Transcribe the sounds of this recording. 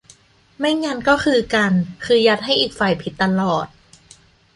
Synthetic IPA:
ma˥˩jŋaː˧nkɔː˥˩kʰɯː˧ka˧nkʰɯː˧ja˧˦˥t̪̚ɦa˥˩jʔiː˨˩k̚fa˨˩jpʰi˨˦t̪ːa˧lɔː˨˩t̪̚

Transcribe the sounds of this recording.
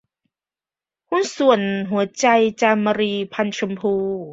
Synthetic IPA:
hu˧˥nsu˨˩ənɦu˨˩˦ɐt͡ɕa˧jt͡ɕa˧ma˧ɾiː˧pʰa˧nt͡ɕʰu˧mpʰuː˧

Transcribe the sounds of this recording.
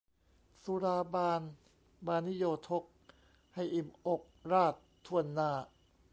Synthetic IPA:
su˧˦ɾaː˧baː˧n | baː˧nːi˦˥joː˧t̪ʰo˦˥k̚ | ha˥˩jʔi˨˩mʔo˨˩k̚ɾaː˥˩t̪ʰːu˧ənːaː˧˩

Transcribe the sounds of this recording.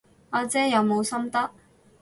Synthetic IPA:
ɔː˨˧t͡sɛː˥jɐ˨˧wmo˨˧wsɐ˥mt̪ɐ˥k̚

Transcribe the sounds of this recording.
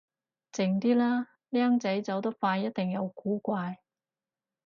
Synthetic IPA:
t͡sɪ˨˩ŋt̪iː˥laː˥ | liː˥ɐ˥ŋt͡sɐ˨˥jt͡sɐ˨˧wt̪ɐ˥k̚faː˧jɐ˥t̚t̪ɪ˨ŋjɐ˨˧wkuː˨˥kʷaː˧j

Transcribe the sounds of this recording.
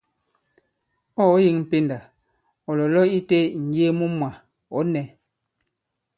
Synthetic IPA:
ɔ˦ji˦ŋm̩˨pe˦nda˨ | ɔ˨lɔ˨lɔ˦i˦te˦˨n̩˨je˦mu˦mwa˨ | ɔ˨˦nɛ˨˦

